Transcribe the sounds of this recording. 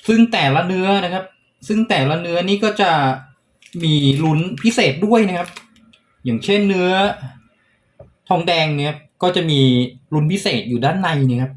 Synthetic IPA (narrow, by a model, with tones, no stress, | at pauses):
sɯ˥˩ŋt̪ɛː˨˩la˦˥nɯ˦˥ɐna˦˥kʰa˦˥p̚ | sɯ˥˩ŋt̪ɛː˨˩la˦˥nɯ˦˥ɐniː˥˩kɔː˥˩t͡ɕa˨˩ | miː˧lu˦˥npʰi˦˥seː˨˩t̪̚du˥˩əjna˦˥kʰa˦˥p̚ | jaː˨˩ŋt͡ɕʰe˥˩nːɯ˦˥ɐ | t̪ʰɔː˧ŋdɛː˧ŋni˦˥ɐkɔː˥˩t͡ɕa˨˩miː˧lu˦˥npʰi˦˥seː˨˩t̪̚juː˨˩daː˥˩nːa˧jni˦˥˩kʰa˦˥p̚